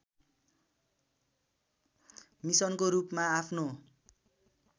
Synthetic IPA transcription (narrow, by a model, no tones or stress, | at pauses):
misʌnkoɾupmaapʰno